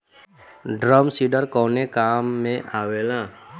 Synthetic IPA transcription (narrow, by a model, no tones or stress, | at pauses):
ɖɾəmsiːɖəɾkɔːnekaːmːẽʔaːweːlãː